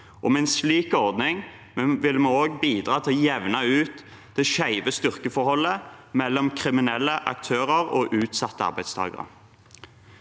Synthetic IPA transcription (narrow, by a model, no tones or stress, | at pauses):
ʔɔmɛɛɪnsliːkɔʁd̪nɪŋ | mɛʋɪlmɛoːɡbiːd̪ʁɑːt̪ʰɪlɔjɛʋnɑʉːt̪ | d̪̥ɛʃæɪʋəst̪ʏʁkəfɔʁhɔlːəmɛlːɔmkʰʁɪmɪnɛlːəʔɑ̰k̚t̪ʰøːʁəʁoːʔʉːt̪sɑt̪ːəɑ̰ʁbæɪd̪st̪ʰɑ̰ːɡə̰ʁə̰